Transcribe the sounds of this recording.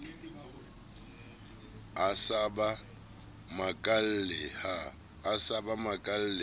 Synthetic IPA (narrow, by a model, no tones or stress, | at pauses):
asaba | makʼallɛhaː | sabamakʼal̩lɪ